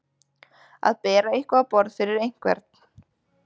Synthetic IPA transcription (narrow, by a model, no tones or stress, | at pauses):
a̰ðpɛːɾaihkvapɔɾð̥fɪɾɪɾejŋ̥kvɛ̰ɾt̪̚n̥